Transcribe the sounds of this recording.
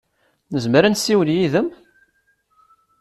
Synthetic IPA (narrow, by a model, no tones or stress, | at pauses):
nəzməɾænsiwənjiðəm